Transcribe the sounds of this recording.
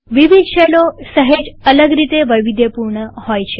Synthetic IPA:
ʋiʋid̪ʃəlosəɦed͡ʒələɡɾit̪eʋəjʋid̪ʱjəpuɾɳəhojt͡ʃʰe

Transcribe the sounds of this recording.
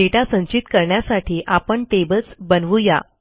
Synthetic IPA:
eʈasə̃nt͡ɕit̪kəɾɳjasaʈʰiːʔapəɳʈebəlt͡sbənʋuja̰

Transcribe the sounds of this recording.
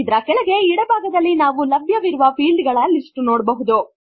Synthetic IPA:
d̪ɾɐkɛɭɐɡe̞iɽɐbʱaːɡɐd̪ɐlːinaːʋulɐbʱjɐʋiɾuʋɐpʰiːlɖɡɐɭɐlisʈnoːɽbɐɦud̪u

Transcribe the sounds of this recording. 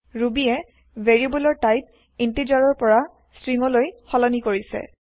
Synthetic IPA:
ɹubiɛ | vʱeɹibulɔɹtajp̚ | intid͡ʒaɹɔɹpɔɹa | stɹiŋɔlojxɔlɔnikoɹisɛ̰

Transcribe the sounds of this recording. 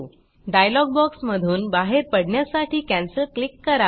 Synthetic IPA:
ɖajlɔɡ̚bɔksməd̪ʱuːnbaɦeɾpəɽɳjasaʈʰiːkæ̃nsəlklikːəɾa

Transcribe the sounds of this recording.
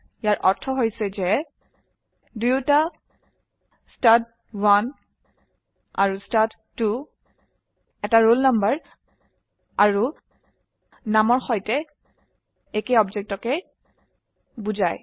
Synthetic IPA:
jaɹʔɔɹtʰɔɦojsɛzɛ | dujuta | stat̚ | wan | a̰ɹustatːu | ɛtaɹolnambəɹ | aɹu | namɔɹxɔjtɛ | ekejɔbzɛk̚tɔkɛ | buzaj

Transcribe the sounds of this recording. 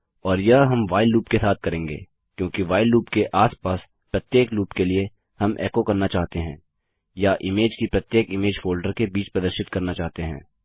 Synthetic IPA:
ɔːɾjɐɦɦɐmʋaːɪlːuːpkesaːt̪̚ʰkɐɾẽːŋɡḛː | kjõːkiʋaːɪlːuːpkeʔaːspaːs | pɾɐt̪jeːkluːpkelie | hɐmʔɛ̰ːkokɐɾnat͡ʃaːɦt̪eɦɛ̃ː | jaʔɪmeːd͡ʒkipɾɐt̪jeːkɪmeːd͡ʒfʰoːlɖəɾkebiːt͡ʃpɾɐd̪əɾʃɪt̪kɐɾnat͡ʃaːɦt̪eɦɛ̰̃ː

